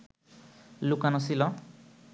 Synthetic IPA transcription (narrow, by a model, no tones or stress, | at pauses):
lukanɔsilɔ